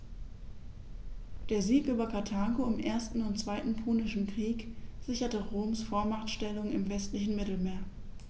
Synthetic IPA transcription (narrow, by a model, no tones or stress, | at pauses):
d̥eːɐziːkʔyːbɐpʰatʰaːɡoɪmʔeːɐstn̩ʊntt͡sv̥aɪtn̩pʰuːnɪʃn̩kʁ̥iːkz̥ɪçɐtəʁoːmsfoːɐmatʃtɛlʊŋɪmvɛstlɪçn̩mɪtl̩meːɐ